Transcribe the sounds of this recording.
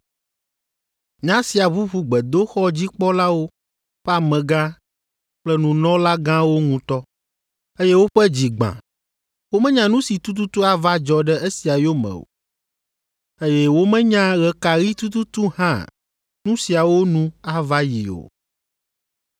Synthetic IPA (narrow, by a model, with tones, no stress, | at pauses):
ɲã˦si˨a˨βu˦ɸu˨ɡ͡bɛ˨d̪o˦xɔ˦d͡ʑi˦k͡pɔ˦la˦wo˦ | ɸɛ˦a˨mɛ̃˨ɡã˦ | k͡plɛ˦nũ˨nɔ̃˦la˦ɡã˦wo˦ŋũ˨t̪ɔ˦ | e˦je˦wo˦ɸɛ˦d͡ʑi˨ɡ͡bã̰˨ | wo˦mɛ̃˦ɲã˨nũ˦si˨t̪u˦t̪̬u˦t̪u˦a˦va˦d͡ʒɔ˨ɖɛ˦e˦si˨a˨jo˦mɛ̰̃˨o̰˨ | e˦jɛ˦wo˦mɛ̃˦ɲã˦ɣɛ˨ka˨ɣi˦t̪u˦t̪u˦t̪u˦hã˦˨ | nũ˦si˨a˨wo˦nũ˦a˦va˦ji˨o̰˨